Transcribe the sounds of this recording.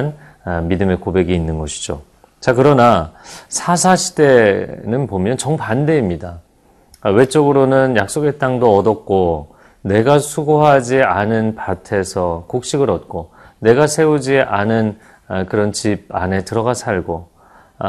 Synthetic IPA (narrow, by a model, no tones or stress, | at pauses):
n | midɯme̞kobe̞ɡiːnːɯnɡʌɕʰi̥d͡ʑo | t͡ɕakɯɾʌnasʰasʰaɕʰi̥te̞nɯnpomjʌnt͡ɕʌŋpande̞imɲida | we̞t͡ɕ͈ʌɡɯɾonɯnjak̚s͈oɡet͈aŋdoʌdʌk̚k͈o | ne̞ɡasʰuɡoɦad͡ʑianɯnpatʰe̞sʰʌkok̚ɕ͈iɡɯɾʌt̚k͈o | ne̞ɡasʰe̞ud͡ʑiʔanɯn | kɯɾʌnt͡ɕib̚a̰ne̞tɯɾʌɡasʰaɭɡo